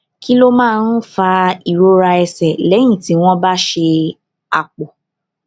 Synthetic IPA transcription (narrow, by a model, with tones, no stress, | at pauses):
ki˦lo˦mãː˦˧˦n̩˦fa˧i˨ɾo˦ɾa˧ɛ˧sɛ˨lɛ˨˦j̃ĩ˦˨ti˨˦w̃ɔ̃˦ba˦ʃe˧ | a˧˨k͡po˨